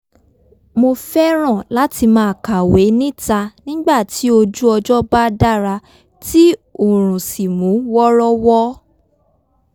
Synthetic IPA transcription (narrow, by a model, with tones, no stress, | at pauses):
mo˧fɛ˦ɾ̃ɔ̃˦˨la˦ti˧mãː˧˦˨ka˨we˨˦nĩ˦ta˧nĩ˦ɡ͡ba˦˨ti˨˦o˧d͡ʒu˦ɔ˧d͡ʒɔ˦ba˦da˦˨ɾa˧ | ti˦o˦˨ɾ̃ũ˨si˨mũ˨˦wɔ˦ɾɔ˦wɔ˦